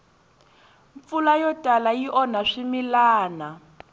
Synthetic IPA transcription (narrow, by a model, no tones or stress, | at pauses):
ɱfulajɔtʼalajiʔɔnaʂimilaːna